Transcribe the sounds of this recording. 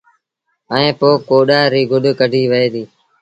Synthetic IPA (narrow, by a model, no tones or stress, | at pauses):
əẽːpoːkoːɗaːɾiːɡʱʊɗkəɖʱiːʋəeːd̪iː